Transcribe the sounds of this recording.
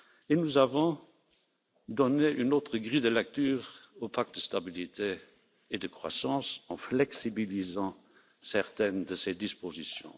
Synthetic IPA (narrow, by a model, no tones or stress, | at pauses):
enuzavɔ̃ | d̪ɔneʔynoːt̪χəɡʁid̪əlɛk̚t̪yːʁopʰak̚t̪̚d̪əst̪abilit̪ʰeː | d̪əkχwa̰sɑ̃sɑ̃flɛksibilizɑ̃ | sɛʁt̪ɛnd̪əsed̪ispozisjɔ̰̃